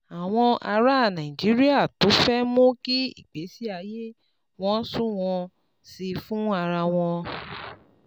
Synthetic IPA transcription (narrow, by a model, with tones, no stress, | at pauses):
a˨w̃ɔ̃˧a˧ɾa˦˨nã˨ĩ˨d͡ʒi˨˦ɾi˦a˦˨to˨˦fɛ˦mõ˦ki˦ḭ˦˨k͡pe˨˦si˦a˧je˦ | w̃ɔ̃˦sũ˦w̃ɔ̃˧ | si˧fũ˦a˧ɾa˧w̃ɔ̃˧